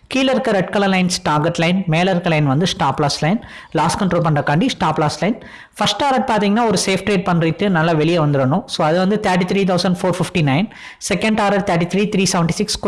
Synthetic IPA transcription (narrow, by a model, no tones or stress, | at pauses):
kiːlɐɪɾɯkːɐɾɛʈ̚kɐlɐlɐɪnsʈaːɾɡɛʈːlɐɪnmeːlɐɾɯkːɐlɐɪnʋɐnd̪ɯsʈaːpːlaːslɐɪn | laːskɐɳʈɾoːlp̬ɐɳɖrɐkɐɳɖisʈaːplaːslɐɪn | fɐsʈaːɾɐʈ̚paːɾt̪̬ĩːŋɡɐnːaːɔɾɯseːfʈɾeːɖ̚pɐɳriʈːɯnɐlːɐʋɛɭɪjɐʋɐnd̪ɯɾɐnʊ̃soːɐðɯʋɐnd̪ɯt̪ʰɐːʈ̬ːit̪ʰɾiːt̪ʰɐʊsɐɳɖfoːɾfɪfʈinɐɪn | sɛkɐɳɖaːɾɐʈt̪ʰɐːʈːit̪ʰɾiːt̪ɾiːsɐʋɛɳʈisɪksk